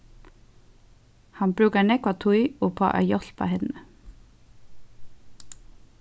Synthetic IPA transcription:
hɑnbɾʉːkəɳɛkʊɑt̪ʰuɪoːpʰɑ̰ːʔɑ̰jɔɬpʰɑ̰ːhɛnnə

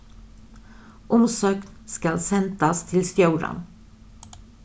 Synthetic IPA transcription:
ʔɔmsøːknskalsɛnd̪ast̪ʰɪlst̪juːɾa̰n

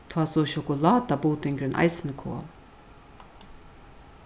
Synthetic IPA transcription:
t̪ʰwaːsɔʃɔkʊlaːt̪abuːt̪ɪŋkɾɪnʔa̰jsɪnəkʰo̰ːn

